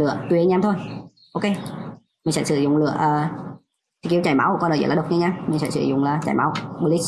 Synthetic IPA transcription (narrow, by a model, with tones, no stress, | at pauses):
lɨ̰˧˨ət̪wi˨˩˨ə˧˦ɲaː˧mt̪ʰo˧j | ʔo˧wke˧ | mi˨˩ŋ̟sɛ̰˧˥sɨ˧˩zʊ̰˧˨ŋ͡mlɨ̰˧˨əʔəː˨˩ | sɛ˧˥˩ki˧˦əwt͡ɕaː˧˩jma˨˦wkɔ˧nə̰ː˨˧˩ə̰˧˩˨aː˨˩ɗə˨˩k͡p̚ɲaː˧ɲaː˧mï̟˨˩sɛ̰˧˥sɨ̰˧˩zʊ̰˧˨ŋ͡mlaː˨˩t͡ɕaː˧˩jma˨˦wɓu˧li˦˥